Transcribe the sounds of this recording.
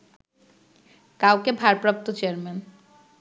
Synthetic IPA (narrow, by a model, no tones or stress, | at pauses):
kawkebʱaɾpɾap̚t̪ot͡ɕeaɾmen